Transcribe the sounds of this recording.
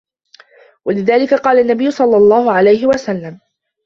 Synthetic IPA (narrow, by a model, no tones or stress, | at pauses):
walɪðaːlɪkaqɑːlaʔnːabɪjːʊsˤɑlːɑlˤːɑːhʊʕalajɦɪwasalːam